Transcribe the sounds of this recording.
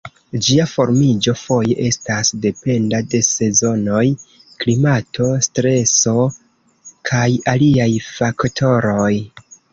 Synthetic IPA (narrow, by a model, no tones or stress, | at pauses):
d͡ʒiafo̞ɾmid͡ʒo̞fo̞jeʔe̞stasde̞pe̞ndade̞se̞zo̞no̞j | klimatʰo̞stɾe̞so̞ | kʰajaliajfaktʰo̞ɾo̞j